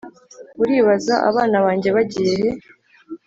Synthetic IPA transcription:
uɾiːβazaʔa̰βaːnaβaːɲɟe̞βaɟije̞he̞

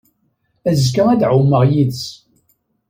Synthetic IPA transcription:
æzkaæd̪ʕumːəʁjiðs

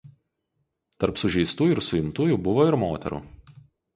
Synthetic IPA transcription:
t̪ɐɾpsʊʒʲɛɪst̪uːjɪɾsʊɪmt̪uːjuːbʊʋoːɪɾmoːt̪ʲɛ̰ɾṵː

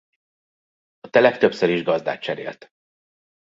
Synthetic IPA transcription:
ɒt̪ɛlɛkt̪ø̞psøɾiʒɡɒzd̪a̰ːt̪̚t͡ʃɛɾḛːlt̪

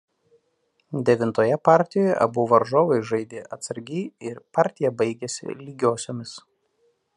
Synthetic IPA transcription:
d̪ʲɛʋʲɪnt̪oːjɛpɑˑɾʲt̪ʲɪjoːjɛ̰ʔɐbuːʋɐɾʒoːʋɐɪʒɐɪd̪ʲeːʔɐt̪sɐɾʲɡʲiːɪɾpɑˑɾʲt̪ʲɪjɛbɐɪɡʲɛsʲɪ̰lʲiːɡʲoːsʲoːmʲɪs

